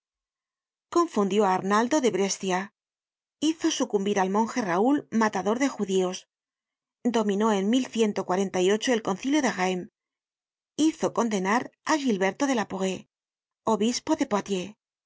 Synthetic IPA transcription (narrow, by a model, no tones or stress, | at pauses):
ko̞ɱfund̪jo̞aːɾnald̪o̞ðe̞βɾe̞st̪ja | iθo̞sukumbiɾalmõ̞ŋxe̞raulmat̪aðo̞ɾðe̞xuðio̞s | d̪o̞mĩno̞e̞nmilθje̞nt̪o̞kwaɾe̞nt̪ajo̞t͡ʃo̞elko̞n̟θiljo̞ðeɣaem | iθo̞ko̞nd̪e̞naɾaɣilβe̞ɾt̪o̞ðe̞lapo̞ɣe̞ | o̞βispo̞ðe̞poat̪je̞